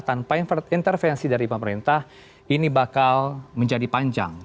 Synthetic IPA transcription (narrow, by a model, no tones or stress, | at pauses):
t̪anpaint̪ərfɛnsidaɾipəməɾint̪ah | inibakalməɲd͡ʒadipaɲd͡ʒa̰ŋ